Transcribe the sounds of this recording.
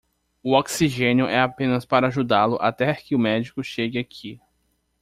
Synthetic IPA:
ʊɔksiʒẽnjʊʔɛapẽnɐspaɾɐaʒud̪alʊʔat̪ɛkɪʊmɛd͡ʒikʊʃeɡɪakʰi

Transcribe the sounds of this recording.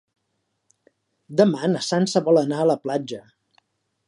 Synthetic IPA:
d̪əmanəsansəβɔlənaələplad͡ʒə

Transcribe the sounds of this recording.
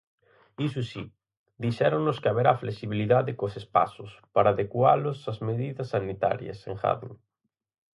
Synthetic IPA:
isusi | d̪iʃɛɾoŋnoskɪaβeɾafleksiβiliðaðɪkosespa̰sʊspaɾaːðekwalosazmeðiðɐsːanit̪a̰ɾjɐ̰seŋxa̰ðṵ

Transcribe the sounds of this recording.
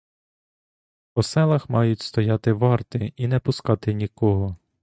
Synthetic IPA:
pɔsɛlˠɐxmɑjʊtʲst̪ɔjɑt̪ɪʋɑrt̪ɪinɛpʊskɑt̪ɪnʲikɔɦɔ

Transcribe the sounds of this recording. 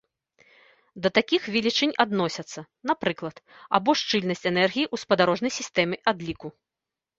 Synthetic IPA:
d̪ɐt̪akʲixvʲilʲit͡ʂɨnʲad̪nɔsʲɐt̪sːɐ | n̪apɾɨklˠɐt̪a̰bɔʂt͡ʂɨlʲnɐsʲt͡sʲɛnɛrɣʲijiʔuspɐd̪aɾɔʐnɐjsʲist̪ɛmɨʔad̪lʲiku

